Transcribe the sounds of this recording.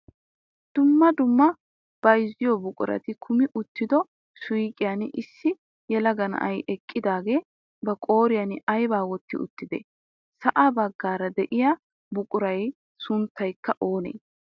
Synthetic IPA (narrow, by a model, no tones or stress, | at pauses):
d̪̥ʊmːɐd̪ʊmːɐ | b̥ɐjzɪjɔbʊkʼʊɾɐ̰t̪ɪkʰʊmɪʔʊt̪ːɪd̪ɔ | sʊjkʼɪjanɪsːɪ | jɛlɐɡɐnɐ̰ʔɐjʔɛkʼːɪd̪aːɡe̞ː | bɐkʼo̞ːɾɪjɐnɪɐjbaːwɔt̪ːɪ̰ʔʊ̰t̪ːɪd̪ḛː | sɐʔabɐɡːaːɾɐd̪ɛʔɪja | bʊkʼʊɾɐj | sʊnt̪ʰːɐjkːɐʔo̞ːnḛː